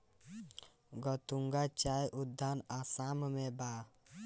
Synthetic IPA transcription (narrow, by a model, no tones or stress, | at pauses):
ɡɔt̪uŋɡat͡ʃajʔud̪ʱːanasammeba